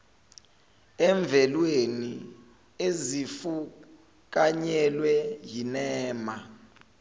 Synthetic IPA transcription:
ɛɱb̪vʱɛlweni | ezifu | k̬ʼaɲɛlwɛjinɛːma

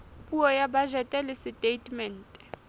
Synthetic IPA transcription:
pʼuɔjabaʒɛtʼɛlɪsɪtʼetʼmɛn̩tʼɛ̥

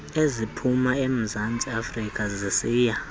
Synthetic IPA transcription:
ezipʰumaem̩zant͡sʼiafrikʼazisiːja

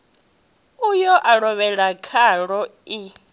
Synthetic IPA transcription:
ujɔʔaɺɔβɛɺakʰaɺɔi

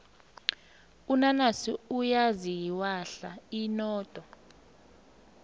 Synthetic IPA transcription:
unanasiujazijiwaɬainɔːtʼɔ

